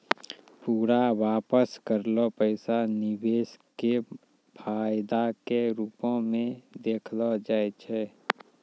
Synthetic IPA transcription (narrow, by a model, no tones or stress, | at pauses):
puːɾawaːpəskəɾlopəɪsanɪweːske | pʰaːjd̪akeɾuːpõmẽd̪eːkʰlɔd͡ʒaːjt͡ʃʰɛː